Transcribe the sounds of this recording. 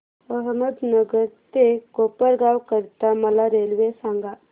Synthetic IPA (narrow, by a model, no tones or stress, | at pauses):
əɦməd̪nəɡəɾt̪ekopəɾɡawkəɾt̪aməlaɾelʋesãŋɡa